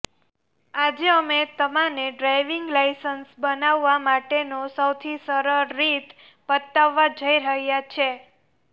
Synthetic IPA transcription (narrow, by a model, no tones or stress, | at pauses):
ad͡ʒeəmet̪əmaneɖɾajʋiŋɡlaisənsbənaʋːamaʈenosəwt̪ʰisəɾəɾːit̪ | pət̪ːaʋːad͡ʒəiɾəɦjat͡ʃʰe